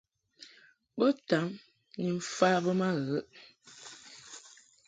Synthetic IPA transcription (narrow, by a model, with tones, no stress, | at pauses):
bə˦ta˨˦ŋ | ni˨m̩˦faː˦bə˦ma˦ɣə˨˦ʔ